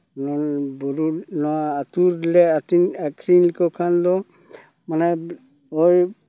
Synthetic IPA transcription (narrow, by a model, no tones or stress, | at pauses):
nɔbɔɾunɔaːtuɾlɛatinakʰɾinlkɔkʰanlɔ | manɛ | ɔj